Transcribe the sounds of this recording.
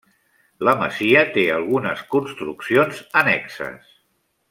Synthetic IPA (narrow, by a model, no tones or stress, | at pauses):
ləmə̰ziət̪eəlˠɣ̞unəskunst̪ɾṵksionzənɛksə̰s